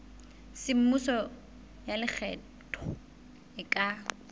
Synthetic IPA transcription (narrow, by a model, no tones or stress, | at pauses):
sɪm̩mʊsɔ | jalɪk͡xʰɛ | tʰʼɔ | ɪkʼa